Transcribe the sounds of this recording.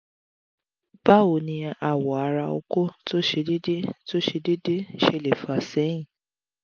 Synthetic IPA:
ba˦˨o˨nĩ˧a˨wɔ˨a˨˧˦ɾa˧o̰˧ko˦to˦ʃe˧di˦de˦to˦ʃe˧de˦de˦ʃe˧˨le˨fa˨sɛ̃˨˦ĩ˦˨

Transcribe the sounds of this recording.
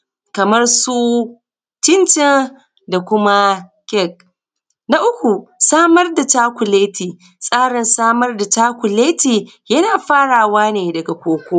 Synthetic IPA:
kɐ˨mɐ˦rsu˦ | tɪ˦nt͡ʃɪ˦n | da˨kʷʊ˦ma˦ | kʲɛ˦˨k̚ | na˦ʔʊ˦kʷu˨saː˦mɐ˦rda˨t͡ʃaː˦kʷʊ˨leː˦tʰiː˨ | sʼaː˦ɽɪ˨nsaː˦mɐ˦rda˨taː˦kʷʊ˨leː˦tiː˨ | jɐ˦naː˨ɸaː˦ɽaː˨waː˦neː˨dɐ˨ɡa˨kʷoː˨kʷoː˦

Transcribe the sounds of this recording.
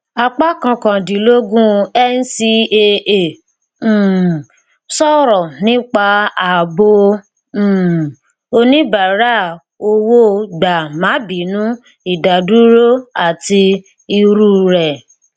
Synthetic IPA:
a˧k͡pa˦kã˧kã˨dĩ˨lo˦ɡũ˦ɛ˦n̩˦si˧e˧ẽ˨ | sɔ˦ɾɔ˨nĩ˦k͡pa˧a˨bõ˧˨ | o˧nĩ˦ba˨ɾa˦˨ | o˧wo˦da˨mã˨˦bi˨˦nũ˦ | i˨da˨du˨˦ɾo˦a˨ti˧ | i˧ɾu˦ɾɛ˨

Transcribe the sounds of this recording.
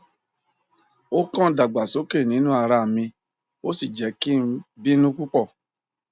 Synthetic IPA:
o˦kɔ̃˦˨˦da˨ɡ͡ba˨so˨˦ke˦˨nĩ˨˦nũ˦a˧ɾa˧˨mĩ˧ | o˦si˦˨d͡ʒɛ˨˦ki˦bi˦nũ˦ku˦k͡pɔ˦˨

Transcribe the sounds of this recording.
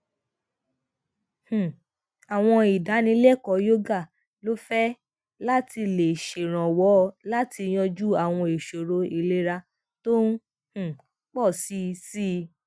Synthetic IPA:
h̩˨ | a˨w̃ɔ̃˧i˨da˨˦nĩ˧˦lɛ˦˨kɔ˨˦jo˦ɡa˦˨ | lo˦fɛ˦ | la˦ti˧le˨ʃe˨ɾ̃ã˨wɔ˨˦˧la˦ti˧j̃ɔ̃˧d͡ʒu˦a˦˨w̃ɔ̃˧e˨ʃo˨ɾo˧i˨le˧˦ɾa˧ | to˦n˦ | h̩˦˨ | k͡pɔ˦˨si˦˧si˦˧

